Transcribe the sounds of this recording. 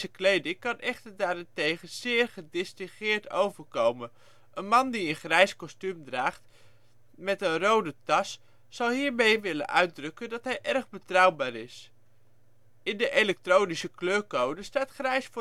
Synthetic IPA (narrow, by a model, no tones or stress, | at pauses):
zəklejdɪŋkɑnʔɛχtəɹdaːɾɛntejχəz̥ɪːɹχədɪstɪχɪːɹto̰wvəɹkowmən | ʔənmɑndiənχrɛjskɔstymdraːχt | mɛtənrowdətɑsː | ɑlˠɦiːɹmejʋɪlə̰nʔœɥt̚drɵkəndɑtɦɛjʔɛrχbətrʌwbaːɾɪs | ɪndəʔelɛk̚trownisəkløːɹkowdəstaːtχrɛjsf